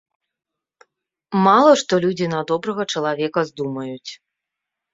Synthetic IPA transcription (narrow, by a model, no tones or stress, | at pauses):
malˠɐʂt̪ɔlʲud͡zʲinad̪ɔbɾɐɣɐt͡ʂɐlˠavʲɛkɐzd̪umɐjut͡sʲ